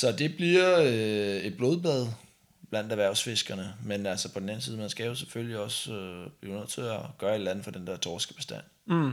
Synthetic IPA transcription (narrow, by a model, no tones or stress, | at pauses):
sɒ̽d̥e̝b̥liɐøe̝d̥̚b̥lo̝ːð̞ˠb̥lɛð̞ˠ | b̥læn̰d̥æʋæɐ̰ʊsfe̝sɡ̥ɐnəmenælsɒpʰɒ̽d̥n̩æn̩siːð̞ˠmænsɡ̥æjosefølliɒ̽søb̥lionðˠt͡sʰeɒɡ̥ɶːɐe̝d̥lænð̩fɒ̽d̥end̥ɛɐ̰t͡sʰɒːsɡ̥əb̥e̝sd̥æ̰n̰